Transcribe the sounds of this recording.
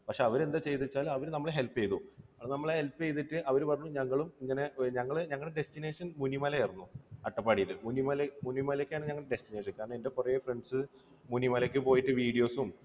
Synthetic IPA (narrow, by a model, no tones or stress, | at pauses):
pɐkʂe̞ɐʋɐɾe̞nd̪ɐt͡ɕe̞jt̪it͡ɕːaːlɐʋɐɾnɐmːɐɭeɦe̞lpːejt̪uɐpɐɳnɐmːɐɭehelpːejt̪ːiʈːɨʔɐʋɐɾupɐrɐɲːuɲɐŋːɐɭumiŋːɐne̞ɲɐŋːɐɭɨɲɐŋːɐɭɖestine̞ːʂɐnmunimɐlɐjirunːuɐʈːɐpːaːɽijɐɾɨmunimɐlɐmunimɐlekʲːaːɳɨɲɐŋːɐɭɖestine̞ːʂɐnkːaːɾɐɳɐmende̞kurɐjefreɳɖsɨ | munimɐlek̬ʲːɨpo̞ːjiʈːɨʋiːɽijo̞ːsum